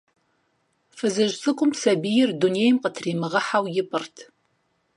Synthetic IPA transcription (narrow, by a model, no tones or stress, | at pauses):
fɨzɨʒsʼɨkʷʼʊmsɐbijɪrdunejmqətʰriːmɨʁɐħawjɪpʼɨrtʰ